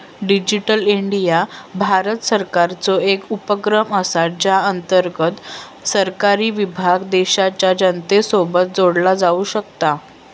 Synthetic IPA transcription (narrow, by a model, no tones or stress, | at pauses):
ɖid͡ʑiʈəliɳɖijabʱaɾət̪səɾkaɾt͡soekupəkɾəməsaʈd͡ʑaənt̪əɾɡət̪ | səɾkaɾiːʋibʱaɡd̪eɕat͡ɕjad͡ʑənt̪esobət̪̚d͡zoɽlad͡zauɕəkt̪a